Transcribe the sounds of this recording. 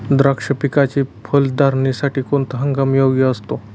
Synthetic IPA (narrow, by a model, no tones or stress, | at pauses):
d̪ɾəkʂəpikat͡ɕipʰəld̪aɾnisaʈiːkoɳt̪əɦəŋɡamjoʋɡiəst̪o